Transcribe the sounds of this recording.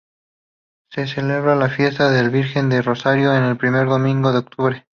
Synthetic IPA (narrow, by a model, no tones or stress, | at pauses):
ses̬e̞le̞βɾalafje̞st̪aðe̞lβiɾxe̞nd̪ero̞saɾjo̞ene̞lpɾime̞ɾðo̞mĩŋɡo̞ðeok̚t̪uβɾe̞